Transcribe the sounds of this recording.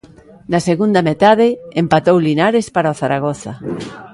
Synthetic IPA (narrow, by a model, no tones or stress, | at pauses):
naseɣund̪amet̪aðɪempat̪owlinaɾespaɾaoθaɾaɣ̞oθa